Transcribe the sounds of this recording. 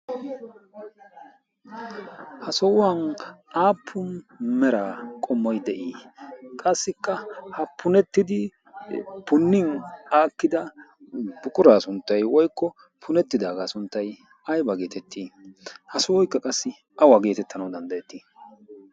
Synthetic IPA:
hɐsɔwwanʔaːpʰːʊnmɛɾaːkʼɔmːɔjd̪ɛʔiːkʼɐsːɪkːɐhɐpʰʊnɛt̪ːɪd̪ɪ | pʊnːɪnaːkːɪd̪ɐ | bʊkʼʊɾaːsʊnt̪ːɐjwɔjkːɔ | pʰʊnɛt̪ːɪd̪aːɡaːsʊnt̪ːɐj | ɐjbɐɡe̞ːt̪ɛt̪ʰːiːhɐsɔwɔjkːɐkʼɐsːɪ | ʔɐwaːɡe̞ːt̪ɛt̪ːɐnɐwd̪ɐnd̪ɐjɛt̪ːiː

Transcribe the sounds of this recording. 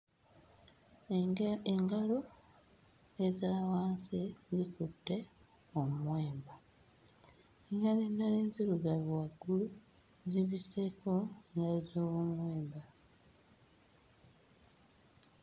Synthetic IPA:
eŋɡalo | ezaːwaːnsizikutːe̞ | omwe̞ːmba | eŋɡaleːndaleːnziluɡaβwaɡːulu | ziβise̞ko̞eŋɡalozoːwomwe̞ːmba

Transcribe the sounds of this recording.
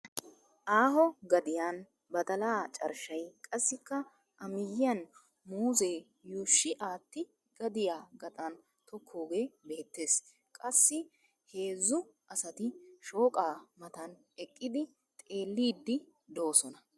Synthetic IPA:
ʔaːɦɔɡɐd̪ɪjan | bɐt̪ɐlaːt͡ʃʼɐ̰ɾʃɐjkʼɐsːɪkːɐ | ʔɐmɪjɪjɐn | muːze̞ː | juːʃːɪʔaːt̪ːɪ | ɡ̥ɐd̪ɪjaːɡɐt̪ʼɐn | t̪ɔkʰːoːɡe̞ːbe̞ːt̪ːe̞ːs | kʼɐsːɪ | he̞ːzːʊʔɐsɐt̪ɪʃo̞ːkʼaːmɐt̪ɐn | ɛkʼːɪd̪ɪ | t̪ʼe̞ːlːiːd̪ːɪ | d̪o̞ːsɔnɐ

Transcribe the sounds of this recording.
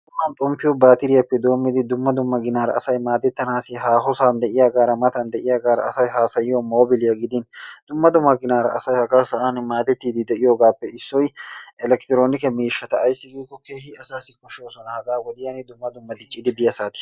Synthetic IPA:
d̪ʊmːɐnt̪ʼʊmpːɪjɔbaːt̪ɪɾɪjɐpːɛd̪o̞ːmːɪd̪ɪd̪ʊmːɐd̪ʊmːɐɡɪnaːɾɐ̰ːsɐjmaːd̪ɛt̪ːɐnaːsɪɦaːɦɔsaːnd̪ɛʔɪjaːɡaːɾɐmɐt̪ɐnd̪ɛʔɪjaːɡaːɾɐ̰ɐsɐjɦaːsɐjɪɔmoːbɪlɪjɐɡɪd̪ɪnd̪̥ʊmːɐd̪ʊmːɐɡɪnaːɾɐ̰ʔɐ̰sɐjhɐkʼaːsɐʔaːnmaːd̪ɛt̪ːiːd̪ɪd̪ɛʔɪjoːɡaːpːɛɪsːɔjʔɛlɛkt̪ɪɾo̞ːnɪkɛmiːʃːɐt̪ɐːjsːɪɡiːkːɔkeːhɪɐsaːsɪkɔʃɪoːsɔnɐhɐɡʼaːɡɔd̪ɪjɐnɪd̪ʊmːɐd̪ʊmːɐd̪ɪt͡ʃʼːɪd̪ɪbɪjɐsaːt̪ɪ̥

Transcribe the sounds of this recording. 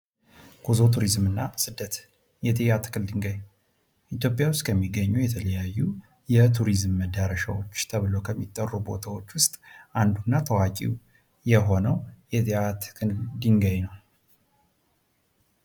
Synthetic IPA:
kʰuzo̞t̪ʰuɾizmɨnːasɨd̪ːət̪ | jɛt̪ʰejat̪ʰɨ̥kʰɨld̪iŋɡəj | ʔit̪jo̞pʼjawʊst̪ʼkʰəmːiɡːəɲːujɛt̪ʰələjajːu | jɛt̪ʰuɾizmːəd̪aɾəʃawo̞t͡ʃːt̪ʰəβɨlo̞kʰəmːit̪ʼːərːubo̞̰t̪ʰawo̞t͡ʃːwʊst̪ʼʔand̪unːat̪ʰəwakʼḭw | jɛɦo̞nəwjɛt̪ʰat̪ʰɨ̥kʰɨld̪iŋɡəjnəw

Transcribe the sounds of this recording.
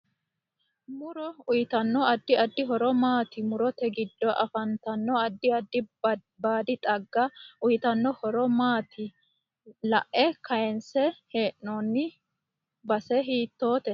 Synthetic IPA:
mʊɾɔʊjɪt̪ɐnːɔɐd̪ːɪɐd̪ːɪɦɔɾɔmaːt̪ɪmʊɾɔt̪ɛɡɪd̪ːɔʔɐfɐnt̪ɐnːɔɐd̪ːɪɐd̪ːɪ | baːd̪ɪt̪ʼɐɡːɐʊjɪt̪ɐnːɔhɔɾɔmaːt̪ʰɪ | lɐʔɛkɐjɛnsɛheːʔnonːɪ | bɐsɛɦiːt̪ːo̞ːt̪ɛ

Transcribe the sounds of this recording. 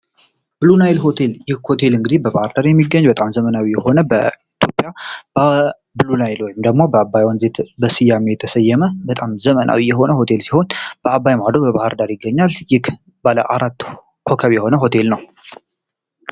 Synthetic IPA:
b̥ɨlunajɪlho̞t̪ʰe̞ljɪhho̞t̪ʰe̞lɨŋɡɨd̪ibəβahɾd̪aɾjɛmːiɡːəɲːbət̪ʼamzəmənawijɛho̞nəbə̰it̪ʰjo̞pʼːija | bɨlunajlojɪmd̪əɡmo̞bəabːajwanze̞t̪bəsɨjamejɛt̪ʰəsəjːɛməbət̪ʼamzəmənʔa̰wijɛɦo̞nəho̞t̪ʰe̞lsiho̞nb̥əabːajmad̪obəβahəɾd̪aɾjɪɡːəɲːaljɪh | balə̰ʔaɾat̪ː | kʰo̞kʰəβjɛho̞nəɦo̞t̪ʰe̞lnəw

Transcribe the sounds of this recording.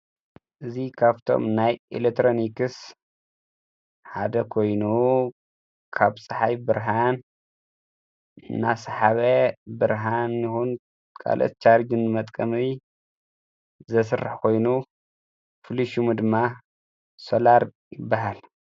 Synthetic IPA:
ʔɨzikʰaβt̪ʰo̞̰mnajʔḭlet̪ɾonikɨs | ħad̪ɐkʰo̞jnu | kʰaβsʼɨħajbɨɾɦan | ɨnasaħaβɐbɨɾɦanixun | kʰa̰lʔo̰t̪̚t͡ʃʰaɾd͡ʒɨnmɐt̪ʼkʼɐmi | zɐsɨrːɨħkʰo̞jnu | fɨliʃumud̪ɨmːa | solaɾ | jɪbːaɦal

